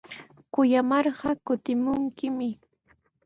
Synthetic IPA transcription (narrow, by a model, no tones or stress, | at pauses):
kʊjamɑɾɢɑkʊt̪ɪmʊŋkɪmɪ